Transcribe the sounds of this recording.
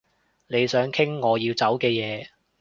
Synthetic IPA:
ne˨˧jsœː˨˥ŋkʰɪ˥ŋːɔː˨˧jiː˧wt͡sɐ˨˥wkɛː˧jɛː˨˧

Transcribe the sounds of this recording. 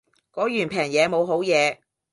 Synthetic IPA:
kɔː˨˥jyː˨˩npʰɛː˨˩ŋjɛː˨˧mo˨˧wɦo˨˥wjɛː˨˧

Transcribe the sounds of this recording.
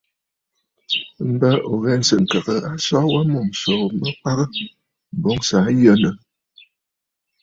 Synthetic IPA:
m̩˦ba˦ʔo˨ɣɛ˦n˨sə˨ŋ̩˨ka˨ɣə˨a˦sɔ˦wa˦mo˨mso˨mə˦k͡pa˦ɣə˦˨ | bo˦ŋsa˨˦jə˦˨nə˨

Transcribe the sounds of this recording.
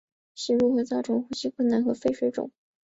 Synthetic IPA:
ɕi˧˥ɻu˥˩xɤ˧˥t͡sɑ˥˩ʊʈ͡ʂʰɤ˧˥ŋxu˥˩ɕi˥kʰwə˥˩nna˧˥nxɤ˧˥fe˥˧ɪʂwe˧˥ɪʈ͡ʂʊ̰˨˩˦ŋ

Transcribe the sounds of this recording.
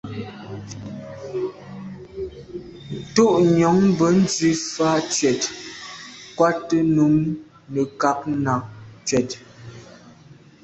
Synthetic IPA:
n̩˨to˦ʔɲɔ˨˦ŋbə˨˦n̩˦d͡zɥi˦faː˦t͡ʃɥɛ˨t | kwa˦tə˦nu˨˦ŋ | nə˨ka˦k̚na˨t͡ʃɥɛ˨t

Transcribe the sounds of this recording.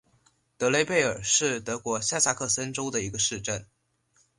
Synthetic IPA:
t̪ɤ˧˥le˧˥ɪpe˥˩ɪə̰˞˨˩ʂɻ̩˥˩t̪ɤ˧˥kwɔ˧˥ɕja˥˧sa˥˧kʰɤ˥˩sə˥nʈ͡ʂo˥ʊd̪ə˨i˧˥ɡə˧ʂɻ̩˥˧ʈ͡ʂə˥˩n

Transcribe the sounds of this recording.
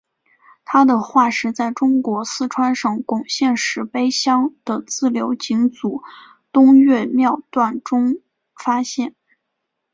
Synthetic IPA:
t̪ʰa˥d̪ə˨xwa˥˩ʂɻ̩˧˥t͡sa˥˩ɪʈ͡ʂʊ˥ŋkwɔ˧˥sɹ̩˥˧ʈ͡ʂʰwa˥nʂɤ˨˩ŋkʊ˨˩ŋɕjɛ˥˩nʂɻ̩˧˥pe˥ɪɕjɑ˥ŋd̪̥ə˨t͡sɹ̩˥˩ljo˧˥ʊt͡ɕi˧˥ŋt͡su˨˩ | t̪ʊ˥ŋɥɛ˥˧mjɑ˥˧ʊt̪wa˥˩nʈ͡ʂʊ˥ŋ | fa˥ɕjɛ˥˩n

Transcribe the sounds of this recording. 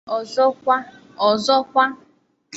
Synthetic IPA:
ɔ˨zɔ˦kʷa˦ | ɔ˨zɔ˦kʷa˦ | k

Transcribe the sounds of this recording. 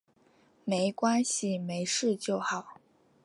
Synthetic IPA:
me˧˥ɪkwa˥nɕi˨˩me˧˥ɪʂɻ̩˥˧t͡ɕjo˥˩ʊxɑ˨˩˦ʊ

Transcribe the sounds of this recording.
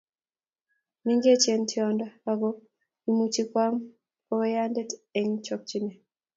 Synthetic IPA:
ni˦ŋɡe˦t͡ʃe˦ntʰi˦ɔnda˦a˨ɡɔ˦ | i˨mu˨t͡ʃi˦kwa˦m | ɔ˦wɛ˦ja˦ndɛ˦te˨ŋt͡ʃɔ˦k̚t͡ʃi˦nɛ˨

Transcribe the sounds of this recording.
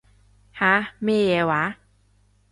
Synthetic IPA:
ha˦me˦˥˨je˧wa˨˦

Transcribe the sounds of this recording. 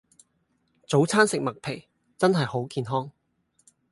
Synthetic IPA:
t͡so˨˥wt͡sʰaː˥nsɪ˨k̚mɐ˨k̚pʰe˨˩j | t͡sɐ˥nɦɐ˨jho˨˥wkiː˨nɦɔː˥ŋ

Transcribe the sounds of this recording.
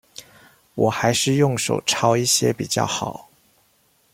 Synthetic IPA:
wɔ˨˩xa˧˥ɪʂɻ̩˥˧jʊ˥˩ŋʂo̰˨˩ʊʈ͡ʂʰɑ˥ʊi˥˩ɕjɛ̰˥pi˨˩t͡ɕjɑ̰˥˩ʊxɑ˨˩˦ʊ

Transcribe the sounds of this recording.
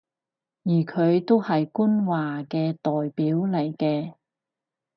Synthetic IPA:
jiː˨˩kʰɵ˨˧ɥt̪o˥whɐ˨jkuː˥nwaː˨kɛː˧t̪ɔː˨jpiː˨˥wlɐ˨˩jkɛː˧

